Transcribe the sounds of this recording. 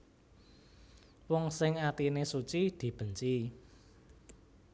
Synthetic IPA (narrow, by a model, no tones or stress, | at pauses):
wɔŋsɪŋat̪inesut͡ʃid̪̥i̤b̥ə̤ɲt͡ʃi